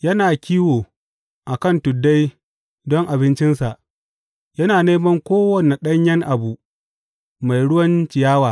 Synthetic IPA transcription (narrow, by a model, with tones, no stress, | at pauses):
jɐ˦naː˨kʲiː˦woː˨ | ʔa˨kɐ˦˨ntʊ˨dːa˦j | dɔ˦ŋʔa˨bɪ˦nt͡ʃɪ˦nsa˨ʔ | jɐ˦naː˨neː˦mɐ˦ŋkʷoː˦wɐ˨ne˨ɗɐ˦ɲjɛ˦ŋʔa˨bu˨ʔ | ma˨jɽʊ˦wɐ˦nt͡ʃɪ˨jaː˦waː˨